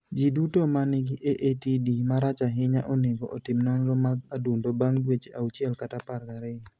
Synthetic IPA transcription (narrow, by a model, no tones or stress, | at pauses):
d͡ʒidutomanɪɡɪʔeʔetidimaɾat͡ʃaɦɪɲaʔoneɡoʔɔtɪmnaŋlɔmaɡ̚adundobaŋdwet͡ʃeaut͡ʃjɛlkataparkaɾɛ